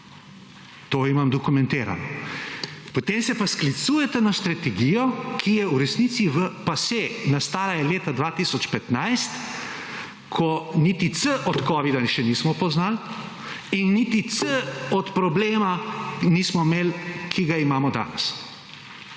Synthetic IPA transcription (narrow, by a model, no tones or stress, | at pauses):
t̪oːimamd̪ɔkumɛ̃nt̪eːɾa̰nɔ | pɔt̪eːmsɛpasklit̪suːjɛt̪ɛnast̪ɾat̪ɛɡijɔkʰijɛwɾɛsniːt̪siʋəpasenast̪aːlajɛleːt̪ad̪ʋaːt̪isɔt͡ʃpɛt̪najst̪ | kʰɔnit̪it̪səʔɔt̪kɔʋid̪aʃɛniːsmɔpɔznal | inːit̪it̪səɔt̪pɾɔbleːmanismɔmeːlkʰiɡaimaːmɔd̪a̰ːnɛ̰s